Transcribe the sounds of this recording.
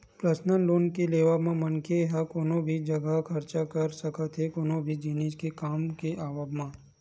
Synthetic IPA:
pɾəsnənloːnkileːʋamãmɐnkeɦakoːnõbʱid͡ʒɐɡəɦkʰɐɾt͡ʃakɐɾsɐkət̪ɦɛkoːnõbʱid͡ʒiːneːskekaːmkeʔaːʋəbmãː

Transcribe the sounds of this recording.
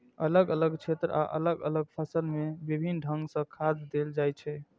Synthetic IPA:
ələɡələɡt͡ʃʰet̪ɾəa̰ʔə̰ləɡə̰ləɡ̚pʰəsəlmebibʱinɖʱə̃ŋɡsə̃kʰad̪d̪eld͡ʒajt͡ʃʰɛ

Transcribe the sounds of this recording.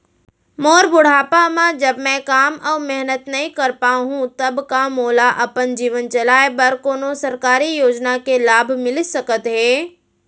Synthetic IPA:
moːɾbʊɽ̤aːpamãd͡ʒɐbmɛ̃kaːmʔɔːɾmɛɦnət̪nɐɦĩkɐɾpaːɦũt̪ɐbkamoːlaʔɐpənd͡ʒiːʋənt͡ʃɐlaːebɐɾkoːnosɐɾkaːɾijoːd͡ʒnakelaːbʱmɪlsɐkət̪ɦeː

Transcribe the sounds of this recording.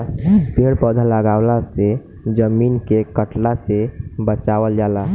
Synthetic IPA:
speɽpɔd̪ʱaləɡaʊlase | d͡ʒəmiːnkekəʈlasebət͡ʃaʋəld͡ʒala

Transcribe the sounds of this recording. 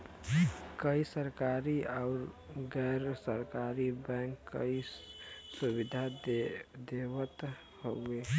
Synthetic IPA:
kəisəɾkaɾiaʊɾɡɛɾsəɾkaɾibɛŋkːə̰i | subid̪ʱa | d̪ebət̪ | hoe

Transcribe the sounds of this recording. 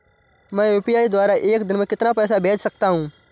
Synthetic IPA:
mɛ̃ːuːpiːaːiːd̪waːɾaʔeːkd̪ɪnmẽkɪt̪naːpɛːsaːbeːt͡ʃsək̚t̪aːɦũː

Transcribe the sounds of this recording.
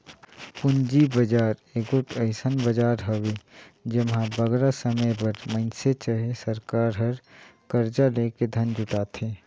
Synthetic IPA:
pʊnd͡ʒibəd͡ʒaːɾeɡoʈʰəɪsənbəd͡ʒaːɾɦəwed͡ʒəmɦãbəɡɾasəməjbəɾmə̃ɪnset͡ʃəɦesəɾkaːɾɦəɾkəɾd͡ʒaleːked̪ʱənd͡ʒʱʊʈaːt̪ʰeː

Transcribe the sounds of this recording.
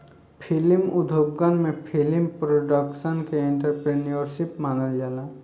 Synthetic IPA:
pʰɪlmʊd̪ʱobɡənmẽpʰɪlimpɾoɖəkʃənkeẽɳʈəɾpɾenijoɾʃɪpmaːnəld͡ʒaːlaː

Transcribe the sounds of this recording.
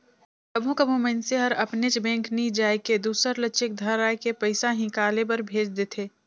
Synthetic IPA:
kɐbʱũkɐbʱũmenseɦɐɾɐpnet͡ʃbɛ̃ːŋknid͡ʒaːjked̪uːsəɾlɐːʃɪk̚d̪ʱɐɾaːjkepɐɪsaɦɪ̃kaːlebɐɾbʱeːd͡ʒd̪et̪ʰeː

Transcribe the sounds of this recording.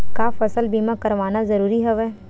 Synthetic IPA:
kaːfɐsəlbiːmakɐɾʋaːnazɐɾuːɾiɦɛʋɛː

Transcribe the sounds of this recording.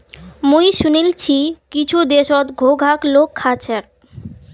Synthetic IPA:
mujʃunilt͡ɕʰikit͡ɕʰud̪eʃɔt̪ɡʱoɡʱaklokʰːat͡ɕʰek̚

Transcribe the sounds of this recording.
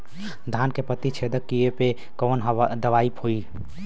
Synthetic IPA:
d̪ʱankepət̪it͡ʃʰed̪əkːijepe | koːnd̪əʋaipʰoi

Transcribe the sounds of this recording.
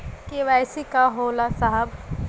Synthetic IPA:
keʋajsikaɦoːlasaɦəb

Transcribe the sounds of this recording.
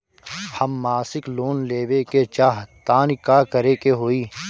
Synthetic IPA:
hɐmːaːsɪkloːnleːʋeket͡ʃaːɦt̪aːnikaːkəɾekeɦoːiː

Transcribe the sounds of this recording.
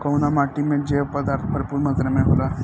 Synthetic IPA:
kəwnamaʈimẽd͡ʑeʋpəd̪aɾt̪ʰbʱəɾpuːɾmət̪ɾəmẽɦola

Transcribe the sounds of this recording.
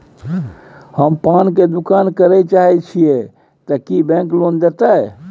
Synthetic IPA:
həmpanked̪ukankəɾɛt͡ʃaɦɛt͡ʃʰie | t̪əkibɛ̃ŋklond̪et̪aj

